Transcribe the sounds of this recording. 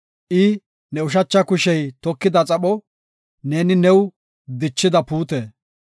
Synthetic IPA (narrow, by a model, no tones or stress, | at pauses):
ʔɪ | nɛʊʃ̬ɐt͡ʃːɐkʊʃɛjt̪ɔkːɪd̪ɐt͡sʼɐɓɔ | neːnɪnɛw | d̪ɪt͡ʃːɪd̪ɐpuːt̪eː